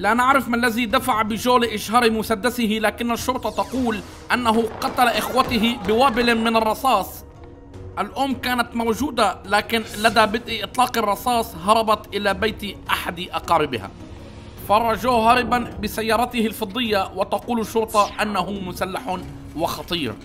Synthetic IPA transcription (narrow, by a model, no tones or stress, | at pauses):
laʔanɪʕɾɪfmɪalːazid̪afaʕbɪʒoːlʔɪʃɦɑːɾmʊsad̪ːasɪɦɪlaːkɪnːaʃːʊɾt̪ˤɑt̪ɑquːl | ʔanːaɦʊqɑt̪alaʔɪxwat̪ɪɦɪbɪwaːbɪlmɪnɑrˤːɑsˤɑːsˤ | ʔalʔʊmːkaːnat̪mawʒuːd̪alaːkɪnlad̪abɪt̪ʔiʔɨt̪ˤlɑːqɪrˤːɑsˤɑːsˤɦɑɾˤɑbɑt̪ʔɪlabajt̪iʔaħad̪ʔɑqɑːɾɪbɪha̰ | fɑrˤːɑʒuːhɦaɾɪbanbɪsajːɑːɾˤɑt̪ɪhɪlfɑd̪ˤːɪjːawɪt̪ɑquːlɪʃːʊɾt̪ˤɑʔanːahʊmʊsalːaħʊ | wɪxɑt̪ˤiːɾ